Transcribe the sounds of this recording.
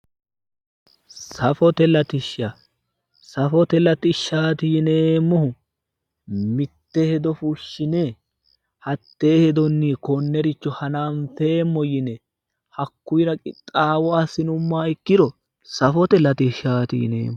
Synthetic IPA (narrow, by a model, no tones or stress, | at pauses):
sɐfɔt̪ɛlɐt̪ɪʃa | sɐfɔt̪ɛlɐt̪ɪʃːaːt̪iːneːmːɔhʊ | mɪt̪ːɛhɛd̪ɔfuʃːɪne | hɐt̪ːeːhɛd̪ɔnːiːkɔnːɛɾɪt͡ʃːɔhɐnaːnfeːmːɔjɪnɛ | hɐkːʊjɾɐkʼɪt̪ʼaːwɔaːsɪnʊmːaːɪkːɪd̪ɔ | sɐfɔt̪ɛlɐt̪ɪʃaːt̪ḭːnḛːm